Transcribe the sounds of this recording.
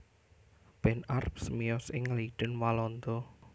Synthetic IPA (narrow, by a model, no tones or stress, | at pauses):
b̥ɛnarpsəmijɔsɪŋliɖ̥ənwalɔnd̪ɔ